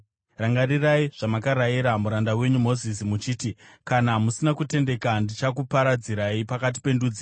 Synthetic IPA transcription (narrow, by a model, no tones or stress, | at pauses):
raŋɡariraiʐ̥amakaɾajiɾamuɾandawe̞ɲum̤o̞zisimut͡ʃiːtikanamusinakute̞nde̞kandit͡ʃakupaɾad͡ziɾaipakat̬i̥pe̞ndud͡zi